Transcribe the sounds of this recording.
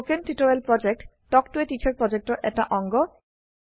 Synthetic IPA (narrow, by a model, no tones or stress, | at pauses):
kenʈiʈoɾelpɾɔd͡ʑek̚ʈ | ʈɔkʈueʈit͡ɕʰaɾpɾɔd͡ʑek̚ʈoɾʔɛ̰k̚ʈa̰ʔɔŋɡo